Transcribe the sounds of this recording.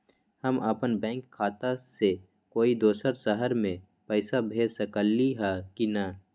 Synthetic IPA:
həmʔəpənbɛ̃ːŋkʰːaːt̪ase | koːid̪oːsəɾsəɦəɾmẽ | pɛːsabʱeːsəkəlːiɦɛkina

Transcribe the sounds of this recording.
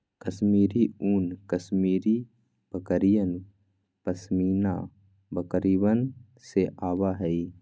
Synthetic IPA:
kəsmiːɾiuːnkəsmiːɾi | b̥əkəɾijən | pəsmiːna | bəkɾiwən | seʔaːwaɦɛi

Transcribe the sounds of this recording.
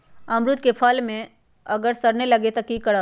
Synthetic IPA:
ɐmɾʊt̪kepʰəlmẽ | ɐɡəɾsɐɾnelɐɡet̪ɐkikɐɽa

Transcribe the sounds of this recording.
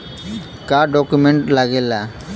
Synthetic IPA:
kaɖɔkumɛ̃ɳʈlaɡɛla

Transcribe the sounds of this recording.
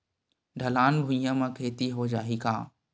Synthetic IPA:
ɖʱɐlaːnbʱũjãmãkʰeːt̪iɦod͡ʒaːɦikaː

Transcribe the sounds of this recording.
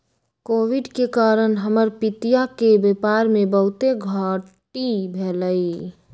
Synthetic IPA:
koːʋɪɖkekaːɾənɦəməɾpɪt̪ijakebepaːɾmẽbəɦʊt̪eɡʱaːʈibʱeːləi

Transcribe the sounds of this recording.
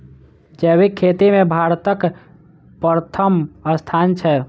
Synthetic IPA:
d͡ʒɛwikʰːet̪imẽbʱaɾt̪ək | pəɾt̪ʰəməst̪ʰant͡ʃʰɛ

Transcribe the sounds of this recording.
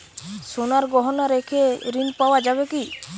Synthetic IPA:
sonaɾɡɔɦɔnaɾekʰeɾinpawad͡ʒaβeki

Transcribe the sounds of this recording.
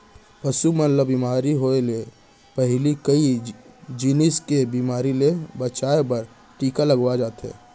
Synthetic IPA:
pəsumənləbimaːɾiɦoele | pəɦlikəi | d͡ʒinɪskebiːmaːɾilebət͡ʃaːebəɾ | ʈiːkaləɡwad͡ʒaːt̪ɦɛ̰ː

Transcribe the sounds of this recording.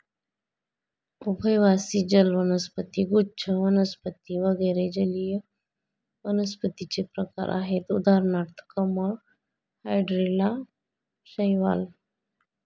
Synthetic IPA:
ubʱəjʋasid͡ʑəlʋənəspət̪iɡut͡ʃʰəʋənəspət̪iʋəɡəjɾed͡ʑəlijə | ʋənəspət̪it͡sepɾəka̰ɾʔa̰ɦet̪ud̪ʱaɾɳaɾt̪ʰə̥kəməɭ | hajɖɾila | ɕəjʋa̰l

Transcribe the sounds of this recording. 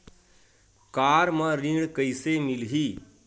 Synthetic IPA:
kaːɾmãɾĩːɽkəisemilɦiː

